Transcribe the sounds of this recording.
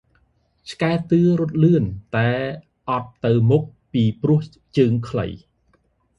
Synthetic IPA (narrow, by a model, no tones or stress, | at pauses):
t͡ɕʰkaɛt̪ɨəɾʊ̆ət̪̚lɨənt̪aɛ | ʔɑt̪ːɨwmuk̚piːprʊ̆əh | t͡ɕəːŋkʰlə̰j